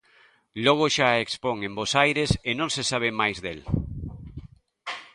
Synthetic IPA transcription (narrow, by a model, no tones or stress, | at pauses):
lɔɣ̞oʃaekspoŋẽmbosajɾesenõŋsesaβ̞emajzðel